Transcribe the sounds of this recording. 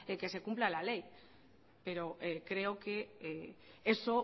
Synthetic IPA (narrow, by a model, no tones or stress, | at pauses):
eke̞se̞kumplalalej | pe̞ɾoʔekɾeoke | eso